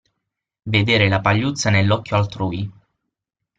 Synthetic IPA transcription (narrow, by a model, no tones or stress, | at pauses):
ved̪eːɾelapaʎːut̪sːanelːɔkʲːjoalt̪ɾuːi